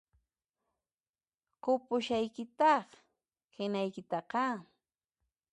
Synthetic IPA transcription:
kʊpʊʃajkɪt̪ɑχ | hɪnajkɪt̪ɑqɑ

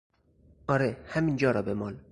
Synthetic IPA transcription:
ʔɒːɾehæmiːnd͡ʒɒːɾɒːbemɒːl

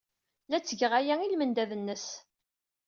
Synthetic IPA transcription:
læt͡sːəɡəʁæjæilmənd̪æðənːəs

